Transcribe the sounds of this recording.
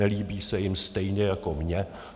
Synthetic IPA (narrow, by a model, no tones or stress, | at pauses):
ɛliːbiːsɛjɪmst̪ɛjɲɛjako̞mɲɛ